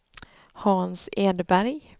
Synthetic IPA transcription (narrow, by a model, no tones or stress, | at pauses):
hɑːnseːd̪əbæɾj